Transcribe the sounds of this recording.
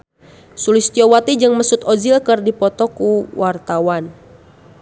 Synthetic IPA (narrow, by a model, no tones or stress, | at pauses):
sulɪst̪iɔwat̪id͡ʒəŋməsut̪ozilkərdipɔt̪ɔkuwart̪awan